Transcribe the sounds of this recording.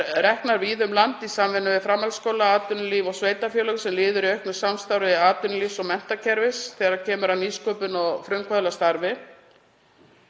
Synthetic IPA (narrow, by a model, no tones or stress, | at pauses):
ɾɛhknaɾviːðʏmlant̪isamvɪnːʏvɪfɾamːalskoːwlaaːt̪ʏnliːvɔɣsveːjt̪afjœːlœɣsɛmlɪːðʏɾiœɥhknʏsamst̪awɾɪðɪaːt̪ʏnlisɔɣmɛn̥t̪acʰɛɾvɪsθɛːɾaɾcʰɛːmʏɾawniːskɔːpʏnɔɣfɾʏmkʰvœðlast̪aɾvɪ